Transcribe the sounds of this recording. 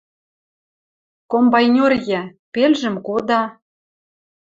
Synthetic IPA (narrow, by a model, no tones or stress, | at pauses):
kombɑjnʲorjæ̆pelʒɘ̆mkod̪ɑ